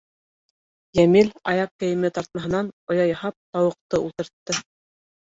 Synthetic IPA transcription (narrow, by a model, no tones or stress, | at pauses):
jæmilʲɑjɑp̚kɘ̆jɘ̆mɘt̪ɑɾt̪̚mɑɦɤ̆nɑnŏjɑjɑhɑp̚t̪ɑwɤ̆q̚t̪ɤulˠt̪ɤ̆ɾt̪ːɤ